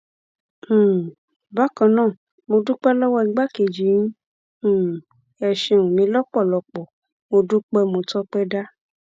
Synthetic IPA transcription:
ba˦kã˧nãː˦˨ | mo˧du˦k͡pɛ˦lɔ˦wɔ˦i˧˦ɡ͡ba˦ke˨d͡ʒĩ˨˦˨ | ɛ˧ʃe˧˨wũ˨nĩ˧˦lɔ˦k͡pɔ˦˨lɔ˧k͡pɔ˨ | mo˧du˦k͡pɛ˦mo˧tɔ˦k͡pɛ˦da˦

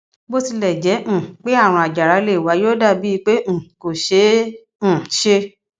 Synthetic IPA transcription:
bo˦ti˧lɛ˨d͡ʒɛ˨˦ʔ̩˦˨k͡pe˦a˦˨ɾ̃ɔ̃˧a˨d͡ʒa˨ɾa˨˦le˦˨wa˨˦joː˦da˦˨bi˦i˧˦k͡pẽ˦˨ko˨ʃẽ˨˦˨ | ʃe˧

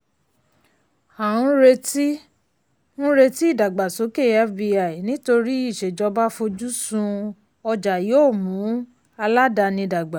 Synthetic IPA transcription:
a˨ɾ̃ũ˧˦ɾe˧ti˦ | ũ˦ɾe˧ti˦i˦˨da˨ɡ͡ba˨so˨˦ke˦˨a˦bi˧a˨i˨nĩ˦to˧ɾi˦i˦˨ʃe˨d͡ʒɔ˧ba˦fo˧d͡ʒu˦sũ˧ | ɔ˧d͡ʒa˨jo˦˨mũ˨˦ | a˧la˦da˧nĩ˧da˨ɡ͡ba˨

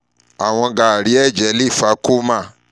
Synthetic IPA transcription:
a˨w̃ɔ̃˧ɡa˨ɾi˨˦ɛ˦˨d͡ʒɛ˨˦li˦˨fa˧˦ko˦mã˦˨

